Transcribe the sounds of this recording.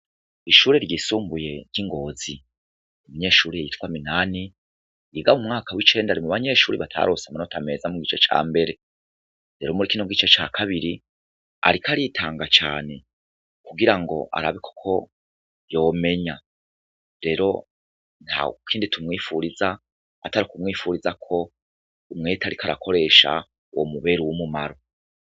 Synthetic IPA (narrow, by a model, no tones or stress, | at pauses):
iʃuːɾeɾɟiːsuːmbuje̞ɾjiŋɡo̞ːzi | nimiɲe̞ːʃuːɾijejitkwaminaːni | iɡamumŋaːkawit͡ʃe̞ːndaɾimuβaɲe̞ʃuːɾiβatʰa̰ɾosamanotʰame̞zamuɡit͡ʃet͡ʃa̰ːmbe̞ɾe̞ | ɾe̞ɾo̞muɾikinoɡit͡ʃet͡ʃaːkʰaβiɾi | a̰ɾikaɾitʰaːŋɡat͡ʃa̰ːne̞ | kuɡiɾaŋɡo̞̰ʔa̰ɾaβikʰo̥kʰo̞ | jo̞ːme̞ɲa | ɾe̞ɾo̞ | n̥ha̰kʰiːnditʰumŋiːfuɾiza | ataɾukumŋiːfuɾizakʰo̞ | umŋe̞ːtʰaɾikʰaɾakʰo̞ɾe̞ːʃa̰ | wo̰muβeɾuwumumaɾo̞